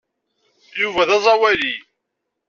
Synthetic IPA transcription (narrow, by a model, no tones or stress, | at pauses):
juvæðæzˤɑwæli